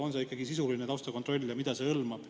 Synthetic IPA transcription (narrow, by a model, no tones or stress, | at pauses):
o̞nseikːˑɑɡisisulinet̪ɑwst̪ɑkont̪ro̞lʲːjɑmid̪̥ɑse̞ɤlmɑb̥